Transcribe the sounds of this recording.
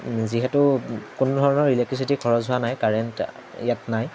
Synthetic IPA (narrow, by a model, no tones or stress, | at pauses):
ziɦɛtʊkʊnʊdʱɔɹɔnɔɹɹilɛk̚tɹisitikʰɔɹɔzɦʊanajkaɹɛnt | jatnaj